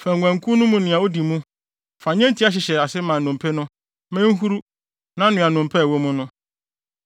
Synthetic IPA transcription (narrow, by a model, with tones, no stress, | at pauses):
fæ˨ŋ̩˨ɡʷæ̃˨ŋ˨kʰu˦nʊ̃˦mũ˨nɪ̃˨a˨wo˦di˨mũ˦ | fa˨ɲɛ̃˦n˦tʰi˦a˦ɕ̬ɪ˨ɕɛ˨a˨sɪ˦mã˨nʊ̃˨mpʰɛ˦nʊ̃˦ | mɛ̃˦ŋ̩˦ɦu˦ɾu˦ | nã˦nɪ̃˨ã˨nʊ̃˨m˨pʰɛ˦˨wo˦mʊ̃˦nʊ̃˦